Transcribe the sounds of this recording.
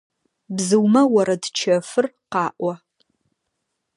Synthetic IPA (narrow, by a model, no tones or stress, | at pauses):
bzɨwmɐwɐɾɐdt͡ʃʰɐfɨrqɑːʔʷɐ